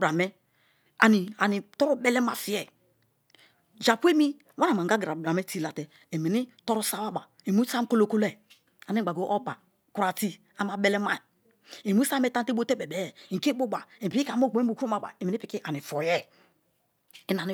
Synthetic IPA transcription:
bɾa˨mɛ˦ | a̰˨ni˨a˨ni˨tɔ˦ɾu˦bɛ˦lɛ˦ma˨fi˨˦ɛ˨ | d͡ʒa˨pʷe˦mi˦ | wa˦a˨ma˨ɡa˦ɡɾa˨bɾa˨me˦ti˦la˨tɛ˨ | e˨me˨ni˦tɔ˦ɾu˦sa˦wa˦ba˨ | e˨mu˦sa˦m˦ko˦lo˦˨ko˦lɛ˨ | a˨ni˦ɡ͡ba˨ɡo˨˦ʔo˦ba˨ | ku˦ɾa˨ti˦ | a˨ma˨bɛ˦lɛ˦ma˦˨ | e˨mu˦sa˦me˦ta˦n˦te˦bo˦te˦bɛ˨bɛ˨ŋ˨ke˦bo˦ba˨e˨pi˦i˦ka˨˦o˦˨ɡ͡bu˨ku˦o˦ma˦ba̰˨e˨me˨ni˦pi˨ki˦ʔa˨ni˨fɔ˨jɛ˦ | i˦na˨ni˨

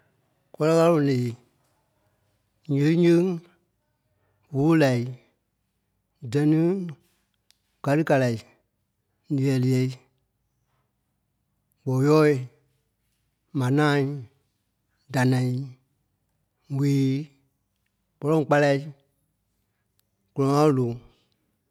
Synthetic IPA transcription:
kɔ˦lɔ˦ka˦õ˨leː˨ | ɲĩ˨˦ɲĩ˦ŋ | wo˨˦la˨i˨ | dɛ˨nĩ˦ | ɡ̥a˨lɨ˦ka˧la˨i˨ | li˨ɛ˨li˨ɛ˧˨i˦ | ɡ͡bɔ˨jɔː˦i˨ | mã˨nãː˦˨˦ | da˨nã˨ĩ˨˦ | wiː˨˦ | k͡pɔ˨lɔ̃˦ŋ˨k͡pa˧la˧i˦ | kɔ˨ɔ̃˧˦ã˦lo˨

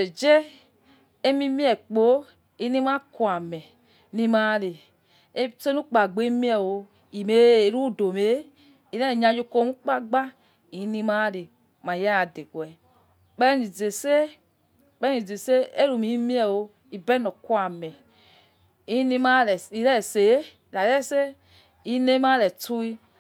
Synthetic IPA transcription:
e˨d͡ʒe˦ | e˦mi˦mi˦ɛ˨k͡po˨˦ | i˦ni˦ma˦ku˨a˨mɛ˨˦ | ni˦ma˦ɾe˨˦ | se˦nu˦k͡pa˨ɡ͡be˨˦mi˦ɛ˨wo˨˧ | i˨me˨˦ɾu˦˨do˨me˨˦ | i˨ɾɛ˦˨ɲa˨jo˦ko˦mu˦k͡pa˦ɡ͡ba˦ | i˨˦ni˧ma˦ɾe˨ | ma˨ja˦a˨de˨ɡwɛ˨ | k͡pɛ˦ni˨d͡ze˨se˦ | k͡pɛ˦i˨d͡ze˨se˦e˦ɾu˨mi˨˦mi˦ɛ˦˨wo˧ | i˨bɛ˦no˨ku˦a˨mɛ˨ | i˦ni˦ma˦ɛ˨i˨ɾɛ˦˨se˨˦˨la˨ɾɛ˦˨se˦ | i˦ne˦ma˦ɾɛ˨tu˦i˦

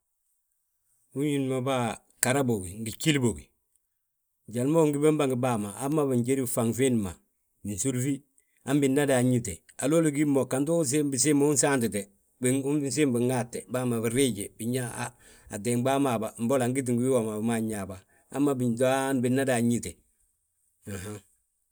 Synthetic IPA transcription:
u˦ɲji˦nma˨ba˦ | ka˨ɾa˦bo˨ɡi˨ŋɡi˨ki˦lbo˨ɡi˨ | ɟa˨lmo˦ŋɡi˦be˦mba˦ŋɡi˨ba˦ma˨a˦mːa˦bi˨ɲɟe˦ɾi˦˨fa˨ŋfe˦nma˨ | mi˨n˨su˦ɾfi˦ | a˦mbi˨nːa˦da˨ɲi˦te˨ | a˨lo˦li˨ɡi˦mo˨kːa˨ntu˦s̬e˦bi˨s̬i˦m˦u˦n˦saː˦nti˨te˨ | bs̬i˦mbi˨ŋɡa˦tːe˨baː˦ma˨bi˨ɾi˦ɟe˨bi˨ɲa˦ | a˨de˨ŋba˦ma˨ba˨m̩˦bo˦la˨ŋɡi˦t̬i˨ŋɡwi˦wa˨ma˨bma˦ɲa˨ba˨ | a̰˦mːa˨bi˨da˦nbi˨nːa˦da˨ɲi˦te˨ | a˨ha˦

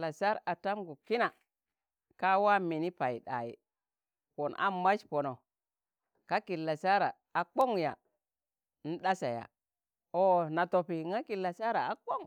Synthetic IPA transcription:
la˨sa˦ɾa˨ta˦mɡu˨ki˦na˨ | ka˦wa˦mi˨ni˦pa˨ji˨ɗa̰˨jḭ˨ | po˨na̰˦ma˦ʃpo˨no˨ | ka˦ki˨lːa˨sa˦ɾa̰˨ | a˨k͡po˦ŋja̰˨ | n̩˦ɗa˦sa̰˨ja̰˨ | o˨na˨to˨pi˨ŋa˦ki˨lːa˨sa˦ɾa˨a˨k͡po˦ŋ

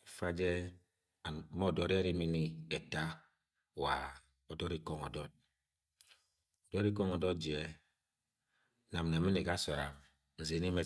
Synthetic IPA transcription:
fa˦d͡ʒɛ˦˨˦ | mɔ˦˨dɔ˨ɾa˦ɾi˦mi˦ni˦ɛ˨ta˦˨ | wa˨ | ɔ˨dɔ˦ɾi˦kɔ˦ŋɔ̰˨dɔ˦˨t̚ | ɔ˨dɔ˦ɾi˦kɔ˦ŋɔ˨dɔ˦t̚d͡ʒi˨ɛ˨ | na˨mnɛ˨mi˦ni˨ɡa˦sɔ˨ɾa̰˨m | n̩˨ze˨˦ni˦mɛ˦

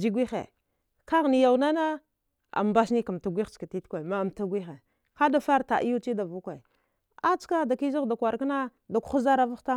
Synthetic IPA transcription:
d͡ʒi˦ɡʷi˦xḛ˨ | ka˦ɣni˨ja˨wna˦na˦ | a̰˨m˨ba˦sni˦ka˨m˨ta˨ɡʷi˦xt͡ʃka˨ti˦tkʷa˨ma˨mta˦ɡʷi˦xe˨ | ka˦da˦fa˦ɾta˨ʔi˦ju˦t͡ʃi˦da˨vu˦kʷe˨ | a˦t͡ʃka˦da˨ki˦zi˦ɣda˨kʷa˨ɾka˦na˦ | da˨kʷu̥˦xza˦ɾa˦va˦ta˦

